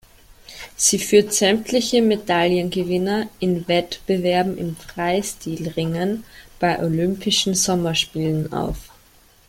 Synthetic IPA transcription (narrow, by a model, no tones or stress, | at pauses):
z̥iːfyːɐtz̥ɛmtʰlɪçəmedaljənɡəvɪnɐʔɪnvɛtb̥əvɛɐbm̩ɪ̰mfʁ̥aɪstiːlʁɪŋənb̥aɪʔolʏmpʰɪʃn̩zɔmɐʃpiːləna̰ʊf